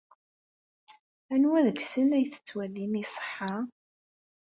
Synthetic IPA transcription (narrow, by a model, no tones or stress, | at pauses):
ænwæðəɡsənæjθə̥t͡sːwælːimisˤə̥ħːɑ